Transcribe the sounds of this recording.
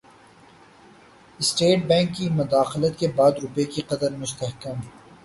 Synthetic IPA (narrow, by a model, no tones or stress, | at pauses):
ɪsʈeːʈ̚bɛ̃ːŋkːimʊd̪aːxɪlət̪kebaːd̪ɾʊpekiqɐd̪əɾmʊst̪əɦkəm